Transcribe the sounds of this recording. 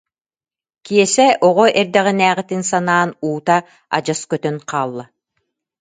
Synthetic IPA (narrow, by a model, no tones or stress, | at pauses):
kiɛsɛʔɔʁɔʔɛɾd̪ɛʁinæːʁit̪insanaːnuːt̪a | a̰d͡ʑaskœt̪œnqʰɑːlˠːa